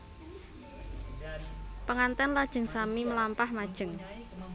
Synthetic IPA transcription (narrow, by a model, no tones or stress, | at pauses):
pəŋant̪ɛnlad̥ʒ̥ə̤ŋsamiməlampahmad̥ʒ̥ə̤ŋ